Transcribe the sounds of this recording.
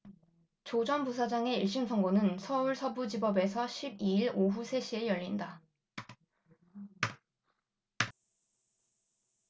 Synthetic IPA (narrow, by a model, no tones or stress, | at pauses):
t͡ɕod͡ʑʌnpusʰad͡ʑaŋe̞iɭɕ͈insʰʌŋɡonɯnsʰʌuɭsʰʌbud͡ʑibʌbe̞sʰʌɕʰibiiɭoɦusʰe̞ɕʰiejʌʎːinda